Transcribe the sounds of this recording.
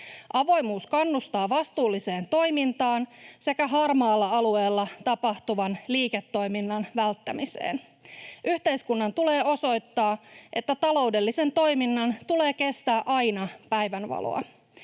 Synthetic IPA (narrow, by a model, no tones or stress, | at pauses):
ʔɑʋo̞jmuːskɑnːust̪ɑːʋɑst̪uːlːise̞ːnt̪o̞jmint̪ɑːnse̞kæɦɑrmɑːlːɑɑlue̞ːlːɑt̪ɑpɑht̪uʋɑnliːket̪ːo̞jminːɑnʋælt̪ːæmisḛːn | ʔyht̪e̞jskunːɑnt̪ule̞ːo̞so̞jt̪ːɑːʔe̞t̪ːæt̪ɑlo̞wde̞lːise̞nt̪o̞jminːɑnt̪ule̞ːke̞st̪æːʔɑjnɑpæjʋænʋɑ̰lo̰ɑ̰